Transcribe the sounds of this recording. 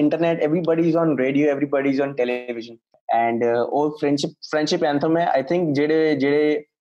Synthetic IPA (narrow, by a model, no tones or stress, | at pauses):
ɪ̃ɳʈəɾneʈeʋɾibɔɖiɪzɔ̃ːnɾeːɖioːeʋɾibɔɖiɪzɔ̃ːnʈɛlɪʋɪʃə̃n | ɛ̃ːɳɖoːɾfɾɛ̃ɳɖʃɪp̚fɾɛ̃ɳɖʃɪpãnt̪ʰəɾmẽa̰ɪt̪ʰɪ̃ŋk̚d͡ʒeːɽed͡ʒeɽe